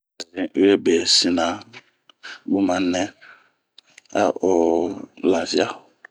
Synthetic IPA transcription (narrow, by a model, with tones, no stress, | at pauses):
a˨zĩ˨˦e˦be˨si˨nã˨ | bu˦mã˨nɛ̃˦ | a̰˦o˨la˨vi˦a˦˨